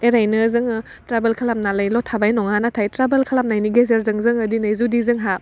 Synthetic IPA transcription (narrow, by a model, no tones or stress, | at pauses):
eɾajnɯzɯŋɯ | tɾabelkʰalap̚naləjlɔtʰabajnɔŋanatʰajtɾabelkʰalap̚najniɡezeɾzɯŋzɯŋɯdinɯjzudizɯŋɦap̚